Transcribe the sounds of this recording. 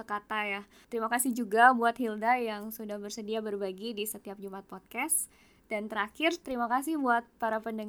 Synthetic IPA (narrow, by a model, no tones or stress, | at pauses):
əkat̪aja | t̪əɾimakasɪhd͡ʒuɡabuat̪hildajaŋsudahbərsədiabərbaɡidisət̪iap̚d͡ʒumat̪̚pɔt̪̚kɛs | dant̪əɾaxɪrt̪əɾimakasɪhbuat̪̚paɾapəndəŋ